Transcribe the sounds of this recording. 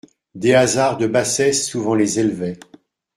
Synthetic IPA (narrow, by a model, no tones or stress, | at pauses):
d̪eazaʁd̪əbasɛsːuvɑ̃lezɛlvɛ